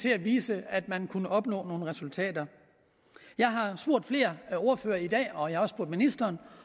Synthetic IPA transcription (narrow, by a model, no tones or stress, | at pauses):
t͡sʰe̝æʋiːsəæd̥mænkʰunəʔɒ̽b̥nɔ̰ːno̝ːn̩ʁɛsult͡sʰɛ̰ːd̥ɐ | jɑ̈ɪɦɑ̈sb̥oɐ̰d̥fle̝ːɐoɐfø̰ːɐid̥ɛ̰ːɒ̽jɑhɑɒ̽sb̥uɐd̥minisd̥ɐːn